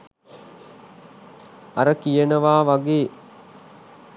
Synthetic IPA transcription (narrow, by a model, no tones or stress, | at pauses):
aɾəkijənəʋaːʋaɡeː